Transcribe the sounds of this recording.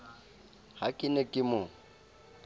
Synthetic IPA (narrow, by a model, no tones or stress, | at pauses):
hakʼɪnɛkʼɪmʊ